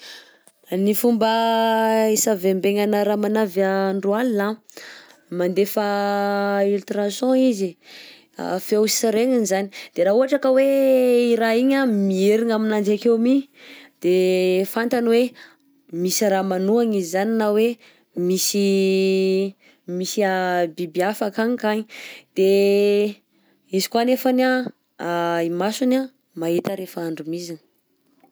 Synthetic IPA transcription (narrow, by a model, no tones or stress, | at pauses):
nifumbə | esavembeŋanaɾamanavaɳɖ͡ʐualina | mand̪efa | ilt̪ɾasjɔ̃izḭ | feusi̥saɾeŋinizanid̪̥eɾauɦaʈ͡ʂakəweiɾaiɲamieɾiŋaminand͡ʒakewmid̪̥efant̪anwe | misiɾamanuaŋizzaninawe | misi | misiabibiafakaɲikaɲid̪̥e | izi̥kwanefana | imasuna | maɦit̪əɾefaaɳɖ͡ʐumizin